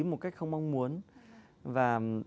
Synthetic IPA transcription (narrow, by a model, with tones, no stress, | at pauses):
mo˨˩t̚ka˦˥jk̟̚xə˧wŋ͡mma˧wŋ͡mmu˨˦ən | vaː˨˩